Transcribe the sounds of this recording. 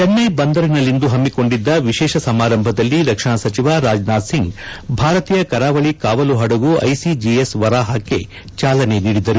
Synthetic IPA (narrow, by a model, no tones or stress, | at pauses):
t͡ʃɐnːɐjbɐnd̪ɐɾinɐlːind̪uɦɐmːiko̞ɳɖid̪ːɐʋiʃɛːʃɐsɐmaːɾɐmbʱɐd̪ɐlːiɾɐkʂɐɳɐsɐt͡ʃiʋaɾaːd͡ʒnaːd̪siŋɡbʱaːɾɐt̪iːjɐkɐɾaːʋɐɭikaːʋɐluɦɐɽɐɡuɐ̰jsid͡ʒiesʋɐɾaːɦaːkːe̞̰ | t͡ʃaːlɐne̞niːɽid̪ɐɾu